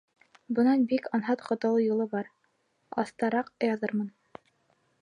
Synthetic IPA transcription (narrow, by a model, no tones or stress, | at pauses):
bɤ̆nɑnbikɑnɦɑt̪qŏt̪ŏlˠɤjulˠɤbɑɾ | ɑ̰θt̪ɑɾɑqjɑðɤɾmɤn